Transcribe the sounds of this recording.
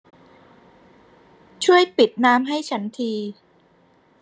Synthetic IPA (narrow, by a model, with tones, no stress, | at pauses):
t͡ɕʰu˥˩əjpi˨˩t̪̚naː˦˥mɦa˥˩jt͡ɕʰa˦˥nt̪ʰiː˧